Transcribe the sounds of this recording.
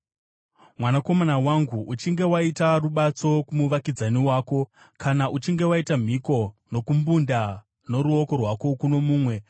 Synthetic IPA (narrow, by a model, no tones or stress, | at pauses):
mwanako̞manawaŋɡuut͡ʃiŋɡe̞waitaruɓat͡so̞kumuʋakid͡zaniwaːko̞ | kanaʔut͡ʃiŋɡe̞waitam̤iko̞no̞kumbunda | no̞ɾuoko̞rwako̞kuno̞muːmwe̞